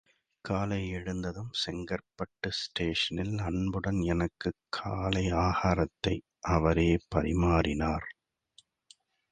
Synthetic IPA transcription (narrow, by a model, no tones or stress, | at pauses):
kʰaːlɐɪɛɻɯnd̪ɐðɯmsɛŋɡɐrpːɐʈːɯsʈeːʂɐnɪlɐnbɯɽɐnɛnɐkːɯkʰːaːlɐɪaːhaːɾɐt̪ːɐɪ | ʔɐʋɐɾeːpɐɾɪmaːɾɪnaːɾ